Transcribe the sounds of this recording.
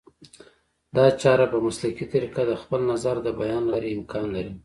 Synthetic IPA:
d̪ɑt͡ʃɑɾapəmaslakit̪aɾiqad̪əxpəlnazaɾd̪əbajɑnlaɾiɪmkʰɑnlaɾi

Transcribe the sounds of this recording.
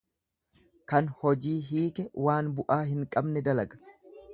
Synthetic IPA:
kɐnhɔd͡ʒiːɦiːkɛwaːnbʊʔaːɦɪŋkʼɐbnɛd̪ɐlɐɡɐ̥

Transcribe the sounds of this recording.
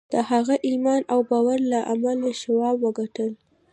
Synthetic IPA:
d̪̥əhaɣaʔimɑnawbɑwaɾlaʔamalaʃawɑbwəɡaʈəl

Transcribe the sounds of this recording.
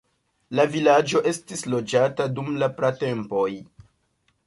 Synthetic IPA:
lavilad͡ʒo̞ʔe̞stislo̞d͡ʒatadumlapɾate̞mpo̞j

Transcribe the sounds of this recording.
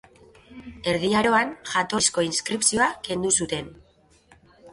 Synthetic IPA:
e̞ɾðiaɾo̞anʝat̪o̞sko̞inskɾipsio̞ake̞nd̪usut̪e̞n

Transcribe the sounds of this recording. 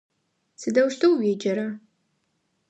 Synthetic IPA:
sɨdɐwʃtʰowɥed͡ʒɐɾa

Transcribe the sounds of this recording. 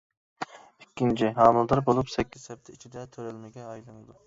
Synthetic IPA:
ikʲːint͡ʃʰiɦɑːmulˠd̪ɑɾbolˠupsɛkʲʰːsɛp̚t̪ʰɛit͡ʃʰid̪ɛt̪ʰøɾɛlmɛɡʲɛɑjlˠɨnˠd̪u

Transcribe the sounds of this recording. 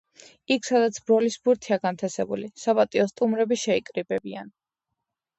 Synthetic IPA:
ikʰsad̪at̪sʰbɾɔlisbuɾt̪ʰiaɡant̪ʰɛsɛbṵlisapʼat̪ʼiɔst̪ʼumɾɛbiʃɛikʼɾibɛbian

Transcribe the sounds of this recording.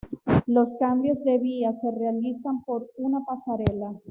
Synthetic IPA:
lo̞skambjo̞zðe̞βiase̞realisampo̞ɾunapasaɾela

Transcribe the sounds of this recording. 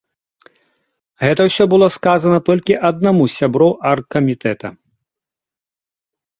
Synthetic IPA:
ɣɛt̪ɐwsʲɔbɨlˠɔskazɐnɐt̪ɔlʲkʲiʔɐd̪namusʲabɾɔwʔarkːɐmʲit̪ɛt̪ɐ̰

